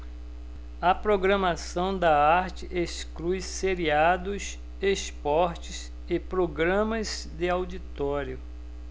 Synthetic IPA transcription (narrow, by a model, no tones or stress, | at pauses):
ɐpɾoɡɾɐmasɐ̃w̃d̪ɐaɾt͡ʃɪʔesklujseɾiad̪ʊs | espɔɾt͡ʃɪs | ɪpɾoɡɾɐ̃mɐz | d̪ɪawdit̪ɔɾjʊ